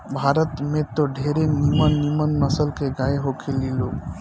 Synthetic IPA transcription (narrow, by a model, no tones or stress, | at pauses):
bʱaɾət̪met̪ɔɖʱeɾenimənːimənnəsəlkeɡaeɦokʰelilo